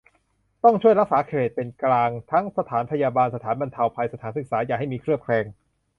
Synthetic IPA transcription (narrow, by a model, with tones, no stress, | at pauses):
t̪ɔ˥˩ŋt͡ɕʰu˥˩əjɾa˦˥k̚saː˩˦kʰeː˨˩t̪̚pe˧nklaː˧ŋt̪ʰa˦˥ŋsa˧t̪ʰaː˩˦npʰa˧jaː˧baː˧nsa˧t̪ʰaː˩˦nba˧nt̪ʰa˧wpʰa˧jsa˧t̪ʰaː˩˦nsɯ˨˩k̚saː˩˦jaː˨˩kɦa˥˩jmiː˧kʰɾɯ˥˩əkʰlɛː˧ŋ